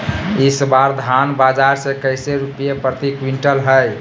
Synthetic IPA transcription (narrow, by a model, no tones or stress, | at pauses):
ɪsbaɾd̪ʱanbad͡ʒaɾsekəɪseɾupijepɾət̪ikwiɳʈəlɦəj